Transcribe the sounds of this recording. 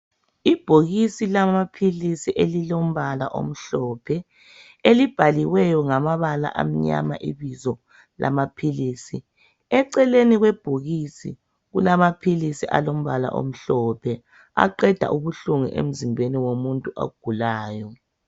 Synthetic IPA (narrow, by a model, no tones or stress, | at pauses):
ib̥ʱoɣisilamapʰilisiʔelilom̩βalaʔo̰m̩ɬɔːpʰɛ | elib̥ʱaliwɛjɔŋamaβala̰ʔa̰m̩ɲa̰ma̰ʔiβizɔ | lʔa̰mapʰiliːsḭ | ɛǀɛleniɣwɛb̥ʱoɣisḭ | ɣulamapʰilisiʔa̰lom̩βala̰ʔo̰m̩ɬɔpʰɛ | a̰ǃɛd̥ʱa̰ʔuβuɬuŋṵʔḛm̩zimbʱeniwomuntʼuʔa̰ɡ̥ʱulaːjɔ